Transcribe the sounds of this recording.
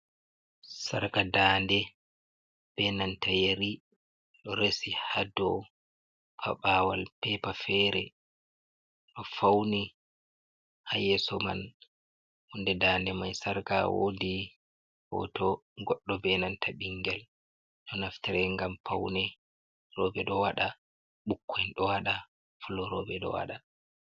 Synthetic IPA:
saɾkadaːndɛ | b̥ɛnantajeɾi | ɗɔɾesihadɔ | pʰa̰ɓaːwalpɛpafɛɾɛ | ɗɔfawni | hajɛsɔma̰n | ʔundɛdaːndɛmajsaɾkawo̰di | hɔ̰tɔɡɔɗːɔbɛnantʰaɓiŋɡɛl | ɗɔnaftɛɾɛŋɡampʰawnɛ | rɔbɛɗɔwaɗa | ɓukʰːɔjnɗɔwaɗa | fulɔɾɔbɛɗɔ̰wa̰ɗa

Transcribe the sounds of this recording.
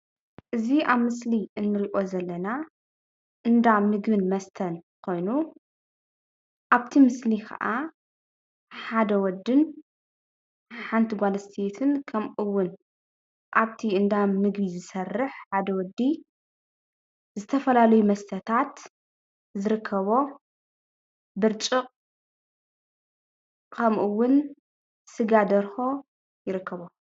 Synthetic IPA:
ʔɨziʔaβmɨsliɨnːɨɾiʔo̞zɐlːɐna | ʔɨnd̪amnɨɡβɨnmɐst̪ʰɐnkʰo̞jnu | ʔaβt̪ʰimɨslikʰɐ̰ʔa | ħad̪ɐwɔd̪ːɨn | ħant̪ʰiɡʷalɐst̪ʰet̪ʰɨnkʰɐmʔɨwːʊn | ʔaβt̪ʰiɨnd̪amnɨɡβizɨsɐrːɨħħad̪ɐwɔd̪i | zɨt̪ʰɐfɐlalɐjumɐst̪ʰɐt̪ʰat̪ | zɨɾɨkʰːɐβo̞ | bɨɾt͡ʃʼɨqʼ | kʰɐmʔɨwːʊn | sɨɡad̪ɐɾxo̞ | jɪɾɨkʰːɐβo

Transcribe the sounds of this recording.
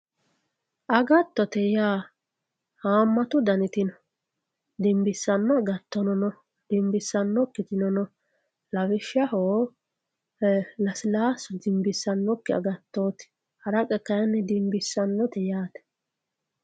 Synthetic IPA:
ʔɐɡɐt̪ːɔt̪ɛjaː | haːmːɐt̪ʊd̪ɐnɪt̪ɪnɔ | d̪ɪmbɪsːɐnːɔɐɡɐt̪ːɔnɔnɔ | d̪̥ɪmbɪsːɐnːɔkːɪt̪ɪnɔnɔ | lɐwɪʃːɐhoː | lɐsɪlaːsʊd̪ɪmbɪsːɐnːɔkːɪɐ̰ɡɐt̪ːoːt̪ɪ̥ | hɐɾɐkʼɛkɐjnːɛd̪ɪmbɪsːɐnːɔt̪ɛjaːt̪ɛ̥

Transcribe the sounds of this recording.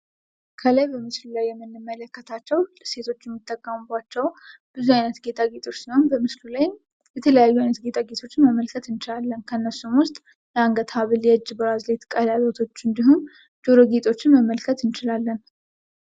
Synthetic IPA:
kʰəlajbəmɨslulajːɛmːɨnːɨmːələkːət̪ʰat͡ʃːɛwse̞t̪ʰo̞t͡ʃːjɛmːit̪ʼːəkʼːəmɨbat͡ʃːɛw | b̥ɨzuajnət̪ɡe̞t̪ʰaɡet̪ʼo̞t͡ʃːsiho̞nbəmɨslulaj | bɛt̪ʰələjajːuajnət̪ɡe̞t̪ʰʼaɡe̞t̪ʰo̞t͡ʃːɪnməmːəlkʰət̪ɨnt͡ʃɪlalːənkʰənːəsːumwʊst̪ʼ | ləaŋɡət̪ʰaβɨljɛd͡ʒːbəɾazlet̪kʼəlalot̪ʰo̞t͡ʃːɨnd̪iɦum | d͡ʒoɾoɡet̪ʼo̞t͡ʃːɪnməmːəlkʰət̪ɨnt͡ʃɪlalːən

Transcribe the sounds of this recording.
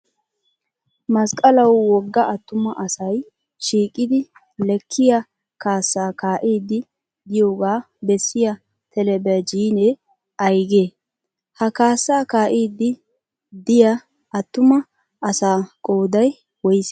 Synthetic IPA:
mɐskʼɐlɐwːɔɡːɐʔɐt̪ːʊmɐʔɐsɐj | ʃiːkʼːɪd̪ɪ | lɛkʰːɪjɐ | kaːsːaːkaːʔiːd̪ːɪ | d̪ɪjoːɡaː | bɛsːɪjɐ | t̪ɛlɛbɛɐd͡ʒiːnɛ | ɐjɡeː | hɐkaːsːaːkaːʔiːd̪ɪ | d̪ɪjɐ | ɐt̪ːʊmɐ | ɐsaːkʼoːd̪ɐj | wɔjɪs

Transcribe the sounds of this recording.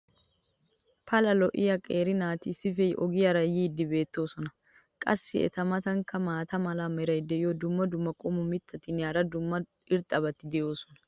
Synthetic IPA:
pʰɐlɐlɔʔɪjɐkʼeːɾɪnaːt̪ɪsɪfɛʔɔɡɪjɐɾɐjɪɪd̪ːɪbe̞ːt̪ːo̞ːsɔnɐ | kʼɐ̰sːɪɛ̰t̪ɐmɐt̪ɐŋkɐmaːt̪ɐmɐlaːmɛɾɐjɪd̪ɛɪjod̪ʊmːɐd̪ʊmːɐkʼɔmʊmɪt̪ːɐt̪ɪnjaːɾɐd̪ʊmːɐ | ɪɾt̪ʼɐbɐt̪ːɪd̪ɛʔo̞ːsɔnɐ̥

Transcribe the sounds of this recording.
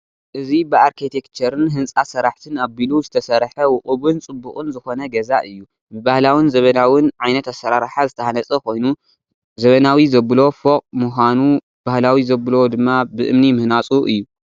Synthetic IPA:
ʔɨzibɨaɾkʰit̪ʰekt͡ʃʰɐɾɨnɦɨnt͡sʼasɐɾaħt̪ʰɨnabiluzɨt̪ʰɐsɐɾħɐwʊkʼɨβɨnt͡sʼɨbːukʼɨnzɨxo̞nɐɡɐzaʔɨjːu | bɨβahlawɨnzɐβɐnawɨnʕajnɐt̪asɐɾaɾħazɨt̪ʰɐhanɐt͡sʼɐkʰo̞jnu | zɐβɐnawizɐbɨlo̞foqʼmuxʷanu | b̥ahlawizɐβɨlo̞d̪ɨmːabɨʔɨ̰mnimɨhnat͡sʼuʔɨjːu

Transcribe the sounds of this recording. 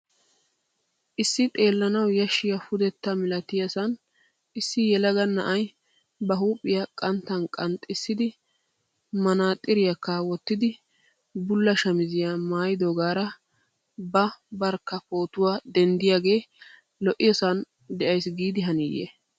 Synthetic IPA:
ʔɪsːɪt̪ʼe̞ːlːɐnɐwjɐʃːɪjɐfʊd̪ɛt̪ːɐmɪlɐt̪ɪjɐsɐn | ʔɪsːɪjɛlɐɡɐnːɐ̰ʔɐj | bɐɦuːpʼːɪjɐkʼɐnt̪ːɐnkʼɐnt̪ʼɪsːɪd̪ɪ | mɐnaːt̪ʼːɪɾɪjɐkːawɔt̪ːɪd̪ɪ | bʊlːɐʃɐmɪzɪjaːmaːjɪd̪oːɡaːɾɐ | bɐbɐɾkːɐpo̞ːt̪ʊwaːd̪ɛnd̪ɪjaːɡe̞ː | lɔʔɪjɐsɐn | d̪ɛʔɐjsɡiːd̪ɪɦɐnḭːjḛ

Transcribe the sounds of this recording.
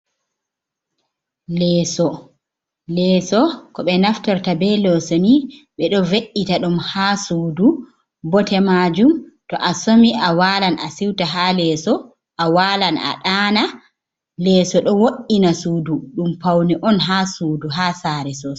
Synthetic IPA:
lɛːsɔ | lɛːsɔkɔɓɛnaftaɾtabɛlɔsoniɓɛɗɔveʔːitaɗumhaːsuːdu | bɔtɛmad͡ʒumtɔʔasomiʔawalana̰siwtaɦalɛːsɔ | ʔawaːlana̰ɗaːna | lɛːsɔɗɔwoʔinasuːduɗumpawniʔɔnɦasuːduɦaːsaɾɛsɔ

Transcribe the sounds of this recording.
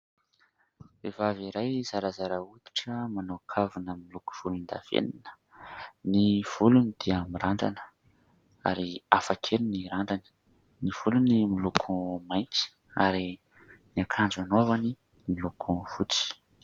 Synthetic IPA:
evaviɾajzaɾazaɾaut̪i̥ʈ͡ʂəmanokʰavunəmiluku̥v̥ulund̪a̰v̥ḛninə̥ | niv̥ulunid̪̥iəmiɾaɳɖ͡ʐa̰nə̥ | a̰ɾiafakʰeɾiniɾaɳɖ͡ʐani̥ | niv̥ulunimilukʰũmajnt͡si̥ | aɾi | niakʰand͡zanovani | milukʰuv̥ut͡si̥

